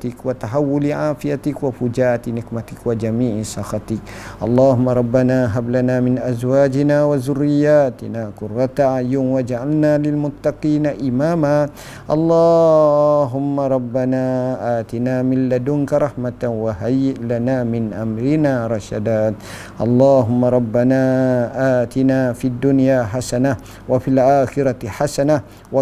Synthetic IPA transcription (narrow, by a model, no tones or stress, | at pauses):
t̪ɪkwat̪aɦawːʊliʕaːfijat̪ɪkwafud͡ʒaːʔat̪inɪkmat̪ɪkwad͡ʒamiːʕsɑxɑt̪ɪk̚ʔɑ̰lˤːɑːɦʊmːaɾˤɑbːanaɦablanaːmɪnʔazwaːd͡ʒinawazʊrːiɪjaːt̪inaːkʊrːat̪aʕajʊnwad͡ʒaʕalnaːlɪlmʊt̪ːaqiːnaʔimaːma | ʔɑlˤːɑ | ɦʊmːaɾˤɑbːanaːʔaːt̪ɪnaːmɪlːad̪ʊŋkaɾˤɑħmat̪awaɦajlanaːmɪnʔa̰mɾɪnaːɾˤɑʃa̰d̪aːt̪ | ʔɑ̰lˤːaːɦʊmːaɾˤɑbːanaːʔaːt̪ɪnaːfiad̪ːʊnjaːħasana | wafilʔaːxɪɾaħasana | wa